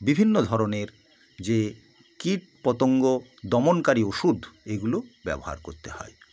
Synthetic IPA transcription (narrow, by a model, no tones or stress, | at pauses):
bibʱinːod̪ʱɔɾoneɾ | d͡ʑe | kiʈ̚pɔt̪oŋɡod̪ɔmonkaɾioʃud̪ʱeɡulobɛ̰boɦa̰ɾkoɾt̪ehɔ̰e